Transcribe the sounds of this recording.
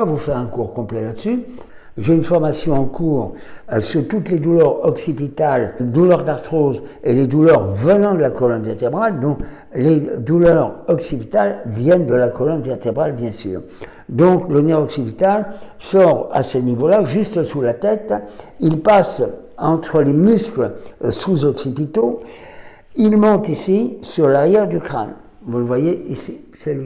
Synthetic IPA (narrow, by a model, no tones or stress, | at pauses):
avufɛʁɛ̃kuʁkɔ̃plɛlad̪əsy | ʒeynfɔʁmasjɔ̃ɑ̃kuːʁ | syʁt̪ut̪led̪ulœʁɔksid̪ĩt̪ald̪ulœʁd̪aʁt̪χozeled̪ulœʁvənɑ̃d̪əlakɔlɔnveʁt̪ebʁald̪ɔ̃ | led̪ulœʁɔksib̪it̪alvjɛnd̪əlakɔlɔnvɛʁt̪ebʁalbjɛ̃sy̰ːʁ | d̪ɔ̃klonɛʁɔksipit̪alsɔʁa̰sənivolaʒyst̪sulat̪ɛt̪ilpas | ɑ̃t̪χəlemyskləsuzɔksipit̪o | ilmɔ̃t̪isisyʁlaʁjɛʁd̪ykχa̰n | vuləvwajeisisɛli